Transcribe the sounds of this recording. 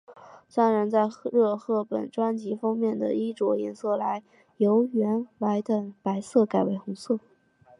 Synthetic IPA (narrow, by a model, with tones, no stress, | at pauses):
sa˥ŋɻa˧˥nt͡sa˥˧ɪɻɤ˥˧xɤ˥˩pə̰˨˩nʈ͡ʂwa˥nt͡ɕi˧˥fɑ˥ŋmjɛ˥˩nd̪ə̰˩i˥ʈ͡ʂwɔ˧˥jɛ˧˩nsɤ˥˩la˧˥ɪ | jo˧˥ʊɥɛ˧˥nwa˧˥ɪt̪ə˨˩ŋpa˧˥ɪsɤ˥˩ka˨˩ɪwe˧˥ɪxʊ˧˥ŋsɤ˥˩